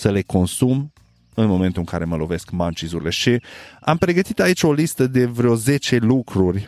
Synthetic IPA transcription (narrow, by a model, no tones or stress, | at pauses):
səle̞ko̞nsum | ɨnmo̞ment̪uɨŋka̰ɾe̞məlo̞ve̞skmant͡ʃizuɾile̞ʃiampɾe̞ɡət̪it̪ait͡ʃʲo̞list̪əd̪e̞vɾeo̞ze̞t͡ʃe̞lukɾurʲ